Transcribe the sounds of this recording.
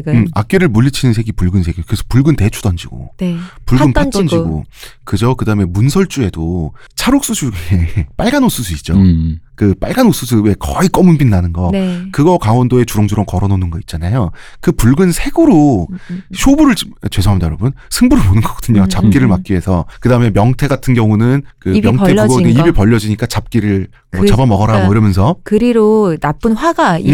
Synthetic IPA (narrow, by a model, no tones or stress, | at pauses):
a̰k̚k͈eɾɯɭmuʎːit͡ɕʰinɯnsʰe̞ɡipuɭɡɯnsʰe̞ɡikɯɾesʰʌ̥puɭɡɯnte̞t͡ɕʰu̥d̥ʌnd͡ʑiɡ̥o̰nepuɭɯnptat͈ʌnd͡ʑiɡo̰kɯd͡ʑokɯdaɯmemunsʰʌɭt͡ɕ͈ue̞do | t͡ɕʰaɾok̚s͈usʰuɡeep͈aɭɡanos͈usʰuit̚t͡ɕ͈okɯp͈a̰ɭɡanos͈usʰuwe̞kʌik͈ʌmunbinːanɯnɡʌnkɯɡʌkaŋwʌndoe̞t͡ɕuɾʌŋd͡ʑuɾʌŋkʌɾʌnonɯnɡʌit̚t͡ɕ͈anajokɯpuɭɡɯnsʰe̞ɡɯɾo | ɕʰobuɾɯɭt͡ɕt͡ɕwe̞sʰoɦamdjʌɾʌbunsʰɯŋbuɾɯɭmonɯnɡʌɡ͈ʌ̥dɯɲot͡ɕap̚k͈iɾɯɭmak͈̚iɦe̞sʰʌkɯdaɯme̞mjʌŋtʰe̞ɡatʰɯnɡjʌŋunɯnkɯmjʌŋʰepuɡʌneibiɭpʌʎːʌd͡ʑiɲik͈at͡ɕap̚k͈iɾɯɭ | mʌt͡ɕabʌmʌɡʌɾaboiɾʌmjʌnsʰʌkɯɾiɾonap͈ɯnɸwaɡa